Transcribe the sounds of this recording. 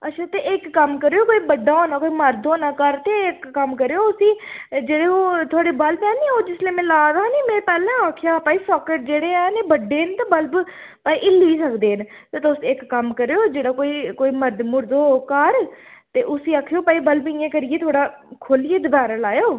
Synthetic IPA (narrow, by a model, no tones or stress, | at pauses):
əʃʰat̪eɪkːəmkəɾeːoːkoːiːbəɖaːoːnãːkoːiːməɾd̪oːnaːkəɾt̪eːɪkːəmkəɾeːoːʊsĩːd͡ʒeːɽeːoːt̪ʰʊaːɽeːbəlpɛːneːoːd͡ʒɪsleːmɛ̃ːlaːɾaːniːmẽːpɛːlɛ̃ːaːkʰjaːpaːiːsɔːkeʈ̚d͡ʒeːɽeːɛ̃ːneːbəɖeːnt̪ãːbəlb | paːiʔɪliːsəkd̪eːn | t̪eːt̪osɪkːəmkəɾeoːd͡ʒeːɽaːkoːiːkoːiːməɾd̪mʊɾd̪oːkəɾt̪eːʔʊsiːaːkʰːejoːpaːiːbəlbɪ̃jãːkəɾɪjeːt̪ʰoːɽaː | kʰoːlieːd̪əbaːɾaːlaːjoː